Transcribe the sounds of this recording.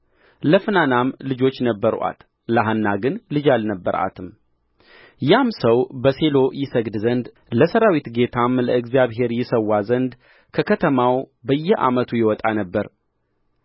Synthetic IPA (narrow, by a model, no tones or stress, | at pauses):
ləfɨnanamlɨd͡ʒo̞t͡ʃːnəbːəɾʔa̰t̪ | ləɦanːaɡɨnlɨd͡ʒalnəbːə̰ɾa̰t̪ʰɨm | jamsəwbəse̞lo̞jɪsəɡd̪zənd̪ | ləsəɾawit̪ɡe̞t̪ʰamləɨɡzjaβɦe̞ɾjɪsəwːazənd̪ | kʰəkʰət̪ʰəmawbəjːɛʔa̰mət̪ʰujɛwɔt̪ʼanəbːəɾ